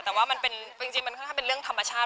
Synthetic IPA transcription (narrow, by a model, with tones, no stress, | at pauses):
t̪ɛː˨˩waː˥˩ma˧npe˧nt͡ɕi˧ŋt͡ɕi˧ŋma˧nkʰɔ˥˩kʰa˥˩pe˧ɾɯ˥˩əŋt̪ʰa˧mːa˧t͡ɕʰaː˥˩t̪